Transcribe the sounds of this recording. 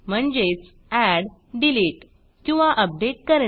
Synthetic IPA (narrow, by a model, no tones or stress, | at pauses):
m̤əɳd͡ʑet͡s | æɽ | ɖiliʈ | kĩw̃ʋaʔəp̚ɖeʈkəɾe